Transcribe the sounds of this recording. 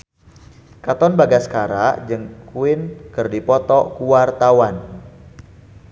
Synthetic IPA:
kat̪ɔnbaɡasə̥kaɾad͡ʒɨŋkuɪnkɨrdipɔt̪ɔkuwart̪awan

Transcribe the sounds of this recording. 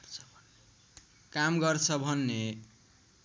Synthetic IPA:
kamɡʌrt͡sʰʌbʱʌnːe

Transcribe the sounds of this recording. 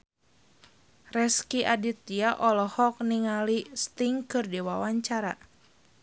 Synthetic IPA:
rɛskiʔadit̪iaʔɔlɔhɔk̚niŋalist̪iŋkɨrdiwawaɲt͡ʃaɾa̰

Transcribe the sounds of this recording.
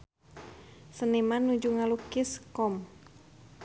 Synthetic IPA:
sənimanːud͡ʒuŋalukiskɔm

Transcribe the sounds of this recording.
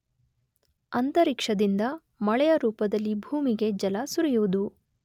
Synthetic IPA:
ɐnt̪ɐɾikʂɐd̪ind̪ɐ | mɐɭɛjɐɾuːpɐd̪ɐlːibʱuːmiɡe̞d͡ʒɐlɐsuɾijuʋud̪u

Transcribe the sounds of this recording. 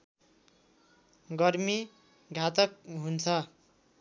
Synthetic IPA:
ɡʌrmi | ɡʱat̪ʌk̚ɦunt͡sʰʌ

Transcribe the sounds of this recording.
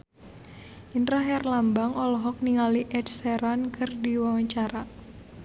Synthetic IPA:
ʔint̪ɾaɦɛrlambaŋɔlɔɦɔk̚niŋaliʔɛdsɛɾankʰɨrdiwawaɲt͡ʃaɾa

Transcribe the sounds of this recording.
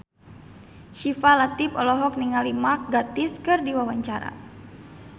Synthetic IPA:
ʃifalat̪ipɔlɔɦɔk̚niŋalimak̚ɡat̪ɪskɨrdiwawaɲt͡ʃaɾa̰

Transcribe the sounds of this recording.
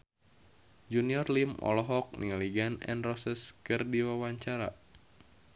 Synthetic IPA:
d͡ʒuniɔrlimʔɔ̰lɔɦɔk̚nḭŋaliɡanɛ̰nrɔsəskɨrdiwawaɲt͡ʃaɾa̰

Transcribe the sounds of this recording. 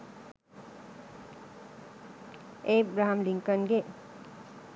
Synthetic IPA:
ebɾaɦamliŋkʌnɡe

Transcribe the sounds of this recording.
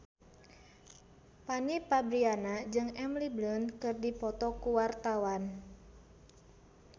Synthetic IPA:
panipabɾianad͡ʒɨŋɛmliblənkɨrdipɔt̪ɔkuwart̪awan

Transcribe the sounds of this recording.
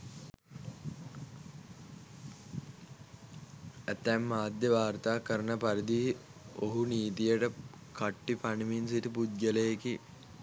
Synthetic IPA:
æt̪ːɛmːaːd̪jəʋaːrt̪aːkəɾənəpaɾid̪i | oɦuniːt̪ijəʈə | kaʈːipaniminsit̪upud̪̚ɡələjeki

